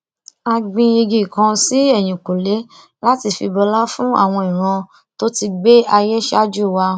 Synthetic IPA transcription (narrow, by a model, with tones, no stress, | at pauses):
a˧ɡ͡bĩ˧i˧ɡi˨kã˧si˦ɛ˦˨j̃ĩ˨ko˨le˨˦ | la˦ti˧fḭ˧bɔ˧la˦fũ˦a̰˦˨w̃ɔ̃˧i˨ɾ̃ã˧ | to˦ti˧ɡ͡be˦ʔa˧jɛ˦ʃa˦d͡ʒu˦˨wa˧